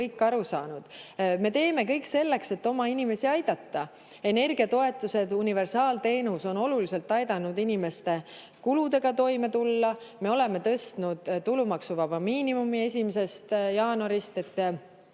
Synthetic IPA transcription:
ɤjkːˑɑɾusɑ̰ːnud̪̥me̞t̪e̞ːme̞kɤjkse̞lːe̞kse̞t̪ːo̞mɑinime̞siɑjd̪̥ɑt̪ːɑ | e̞ne̞rɡ̥iɑt̪o̞e̞t̪ːˑuse̞d̪̥unive̞rsɑːlt̪e̞ːnuso̞no̞lulise̞lt̪ːˑɑjd̪̥ɑnːud̪inime̞st̪e̞ | kulud̪e̞ɡ̥ɑt̪o̞jme̞t̪ulːɑme̞o̞le̞me̞t̪ɤ̞st̪nud̪̥t̪ːulumɑksuvɑvɑmiːnimumie̞sʲimese̞st̪jɑːnɑɾist̪e̞t̪ˑː

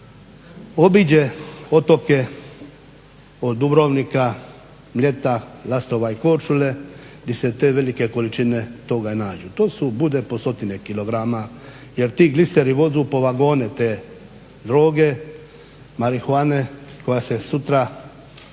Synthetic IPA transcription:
o̞bid͡ʑeo̞t̪o̞ke̞ | od̪ubɾoʋnika | mlʲe̞t̪alast̪o̞ʋaiko̞ɾt͡ʃule̞d̪iset̪e̞ːʋe̞like̞ko̞lit͡ʃine̞t̪o̞ɡanaːd͡ʒut̪o̞ːsubud̪epo̞st̪o̞t̪inekilo̞ɡɾama | jeɾt̪iːɡliseɾiʋo̞zupo̞ʋaɡo̞ːnet̪eː | d̪ɾo̞ːɡe̞ | maɾixuaːne̞ko̞jasesut̪ɾa

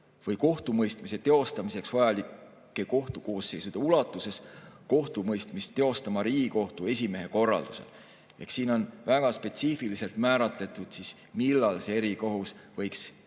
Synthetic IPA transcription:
vɤjko̞ht̪umɤjst̪mise̞t̪e̞o̞st̪ɑmise̞ksv̥ɑjɑliˑː | e̞ko̞ht̪uko̞ːsːe̞jsud̪̥e̞ulɑt̪ːˑuse̞sko̞ht̪umɤjst̪mistt̪ːe̞o̞st̪ɑmɑɾiːɡ̥iko̞ht̪ue̞s̬ʲime̞ɦe̞ko̞rːɑ̰ld̪̥use̞̰l | e̞̰hksiːno̞nvæɡ̥ɑspe̞t̪siːfilise̞lt̪mæːɾɑt̪ˑle̞t̪ːˑud̪̥sis | milːɑlseeɾiko̞ɦusvɤ̞jks

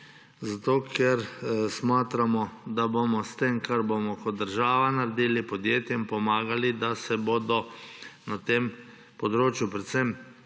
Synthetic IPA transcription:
zat̪oːkʰɛɾsmaːt̪ɾamɔd̪abomɔst̪emkʰaɾbomɔkɔt̪̚d̪əɾʒaːʋanaɾɛd̪iːlipɔd̪jeːt̪jɛmpɔmaːɡalid̪asɛboːd̪ɔnat̪em | pɔd̪ɾoːt͡ʃjupɾɛt̪sɛm

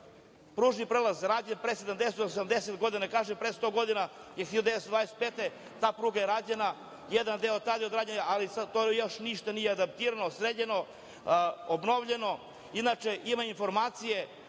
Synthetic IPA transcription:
pɾuːʒnipɾeːlazɾaːd͡ʑenpɾesed̪amd̪eset̪oosamd̪eset̪ɡo̞d̪inakaːʒepɾest̪o̞ɡo̞d̪inajexijalod̪eest̪od̪vajese̥t̪peːt̪e | t̪aːpɾuːɡajeɾaːd͡ʑena | jed̪and̪eot̪ad̪iod̪ɾaːd͡ʑeɲaʔalisat̪ojo̞ʃniʃt̪anijead̪ap̚t̪iɾanosɾeʎeno̞ | obno̞ʋʎe̞no̞ | inat͡ʃeʔimainfo̞ɾmaːt̪sije̞

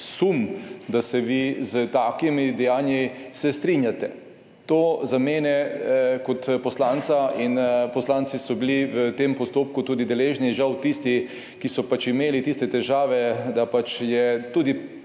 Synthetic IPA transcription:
sumd̪asɛʋizət̪aːkimid̪ɛjaːnjisɛst̪ɾinjat̪ɛ | t̪oːzameːnɛkɔt̪pɔslaːnt̪sainpɔslaːnt̪sisɔbiliʋət̪empɔst̪oːp̚kut̪uːd̪id̪ɛleːʒniʒawt̪ist̪i | kisɔpat͡ʃimeːlit̪ist̪ɛt̪ɛʒaːʋɛd̪apat͡ʃjɛt̪uːd̪i

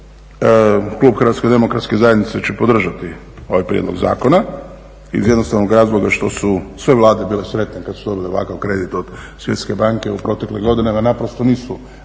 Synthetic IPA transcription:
klˠuːbxər̩ʋat̪sked̪e̞mokɾat̪ske̞zajed̪nit̪set͡ʃepod̪r̩ʒat̪i | o̞ʋajpɾjḛd̪loɡza̰ːko̞na | ḭzjd̪nosaʋnoɡɾaːzlˠo̞ɡaʃt̪o̞susʋeʋlˠaːd̪ebiːlesɾe̞t̪nekad̪sud̪o̞bileʋa̰kaʋkɾe̞d̪it̪od̪̥sʋje̞̰t̪ske̞baŋke̞upɾo̞t̪e̞kleɡo̞d̪inemanapɾost̪o̞niːsu

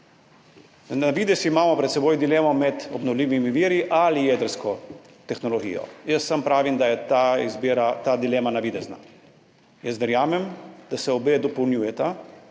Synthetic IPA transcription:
naʋiːd̪ɛsiːmaːmɔpɾɛt̪sɛboːjd̪ileːmɔmɛt̪ɔbnɔwliːʋimiʋiːɾiʔalijɛd̪əɾskɔ | t̪ɛxnɔlɔɡḭːjɔ̰jəsːampɾaːʋimd̪ajɛt̪aizbiɾat̪aːd̪ileːmanaʋid̪ɛzna̰ | jəst̪ʋɛɾjaːmɛmd̪̥asɛɔbed̪ɔpownjuːjɛt̪a

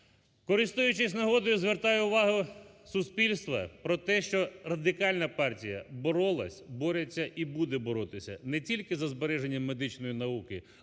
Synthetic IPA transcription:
kɔɾɪst̪ujʊt͡ʃɪsʲnɐɦɔd̪ɔjʊzʋert̪ɑjɛʊʋɑɦʊsʊspʲilʲst̪ʋɐpɾɔt̪ɛʃt͡ʃɔrɐd̪ɪkɑlʲnɐpɑrtʲijɐ̰bɔɾɔlˠɐsʲbɔɾet͡sʲːɐʔibud̪ɛbɔɾɔt̪ɪsʲɐ̰nɛtʲilʲkɪzɐzbeɾɛʒenʲːɐmːed̪ɪt͡ʃnɔjinɐukɪ

